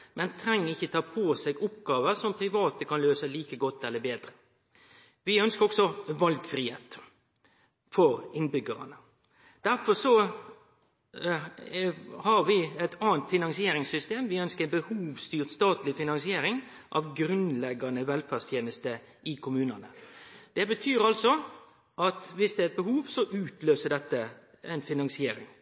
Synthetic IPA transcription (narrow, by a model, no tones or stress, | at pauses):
mʔɛnt̪ʰɾɛŋːəɪçːət̪ʰɑːpʰoːsɛɡʊp̚ɡɑːʋəsɔmpʰɾɪʋɑːt̪əkɑnløːsəliːkəɡɔt̪ːɛlːəbeːd̪ɾə | ʋɪœnskəɾɔksɔʋɑlɡfɾiːhḛːt̪ | fɔɾɪnbʏɡəɾɑ̰nə | d̪̥æɾfɔsɔ | hɑɾʋɪɛɪt̪ɑːənt̪fɪnɑŋsɪeːɾɪŋsʏst̪eːmʋɪœnskəbəhuːʋst̪yːʁt̪st̪ɑːt̪lɪfɪnɑnsɪeːɾɪŋ | ʔɑ̰ʋɡɾʉnlɛɡːɑnəʋɛlfæst̪ʰjeːnəst̪ə | ʔɪkʰʊmʉːnɑnəd̪̥ɛbət̪ʰyːɾɑlsɔ | ʔɑt̪ʋɪsd̪ɛæɾɛt̪̚bəɦuːʋsɔʔʉːt̪løːsəɖ̪ɛt̪ːə | ɛɪnfɪnɑnsɪeːɾɪ̰ŋ